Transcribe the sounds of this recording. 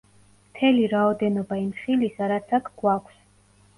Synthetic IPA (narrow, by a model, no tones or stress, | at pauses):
mt̪ʰɛliɾaɔd̪ɛnɔbaimχilisaɾat̪sʰakʰɡ̥wakʷʰs